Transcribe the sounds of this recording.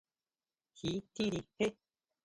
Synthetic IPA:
hi˨˦t̪ĩ˦ɾi˧he˦

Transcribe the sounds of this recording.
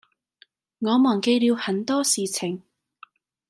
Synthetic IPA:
ŋɔː˨˧mɔː˨˩ŋke˧jliː˨˧whɐ˨˥nt̪ɔː˥siː˨t͡sʰɪ˨˩ŋ

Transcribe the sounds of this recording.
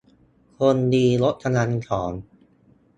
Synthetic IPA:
kʰo˧ndiː˧lo˦˥t̪̚ʰːa˧na˧nkʰɔː˩˦n

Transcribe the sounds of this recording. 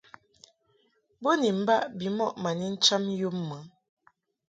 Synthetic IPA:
bo˦ni˨m̩˨˦ba˦ʔbi˨mɔ˦˨ʔma˨ni˦n̩˦t͡ʃa˦m˦jo˦mːə˨˦

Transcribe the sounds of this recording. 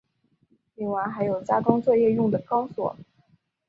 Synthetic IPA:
li˧˥˩ŋwa˧˩ɪxa˧˥ɪjo˨˩ʊt͡ɕja˥kɑ˥ŋt͡swɔ˥˧jɛ˥˧jʊ˥˩ŋd̪ə˩kɑ˥ŋswɔ̰˨˩˦

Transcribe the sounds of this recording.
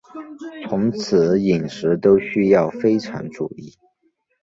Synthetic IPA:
t͡sʰʊ˧˥ŋt͡sʰɹ̩˨˦i˨˩ŋʂɻ̩˧˥t̪o˥ʊɕy˥jɑ˥˩ʊfe˥ɪʈ͡ʂʰɑ̰˧˥ŋʈ͡ʂṵ˨˩i˥˩

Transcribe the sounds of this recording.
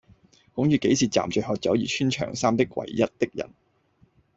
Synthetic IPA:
kʊ˨˥ŋjyː˨˧ke˨˥jsiː˨˩t͡sa̰ː˨˩mt͡ʃœ˨˧ɦɔː˧t̚t͡sɐ˨˥wjiː˨˩t͡ʃʰyː˥nt͡ʃʰœ̰ː˨˩ŋsaː˥mt̪ɪ˥k̚wɐ̰˨˩jjɐ˥t̚t̪ɪ˥k̚jɐ̰˨˩n

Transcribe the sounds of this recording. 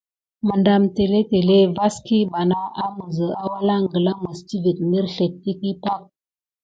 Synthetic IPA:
mə˨nda˨mte˨le˦te˨le˦va˦ski˦ba˨na˦a˦mə˨zə˨a˦wa˦la˦ŋɡə˨lə˦mə˨sti˦vi˨t̚mi˦ɾɬe˨t̚ːi˦ki˦pa˦k̚

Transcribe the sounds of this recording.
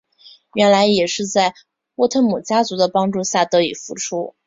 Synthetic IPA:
ɥɛ˧˥nla˧˥ɪjɛ˨˩ʂɻ̩˥˧t͡sa˥˩ɪ | wɔ˥˧t̪ʰə˥nmu˨˩t͡ɕja˥t͡su˧˥d̪ə˧pɑ˥ŋʈ͡ʂu˥˧ɕja˥˩t̪ɤ˧˥i˨˩fu˧˥ʈ͡ʂʰu˥

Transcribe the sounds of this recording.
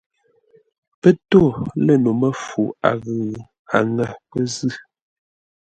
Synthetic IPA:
pə˦to˦˨lə˦˨no˨mə˦fu˨a̰˨ɣʉː˨ | a̰˨ŋa˨pə˦zɨ˦˨

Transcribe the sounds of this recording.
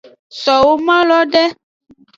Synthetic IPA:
sɔ˨wo˦mã˦lɔ˦ɖɛ˦

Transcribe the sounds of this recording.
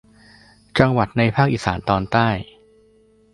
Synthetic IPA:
t͡ɕa˧ŋwa˨˩t̪̚na˧jpʰaː˥˩k̚ʔiː˨˩saː˩˦nt̪ɔː˧nt̪aː˥˩j

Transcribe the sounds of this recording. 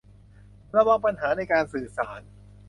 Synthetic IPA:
ɾa˧waː˧ŋpa˧nɦaː˩˦˥na˧jkaː˧nsɯː˨˩saː˩˦n

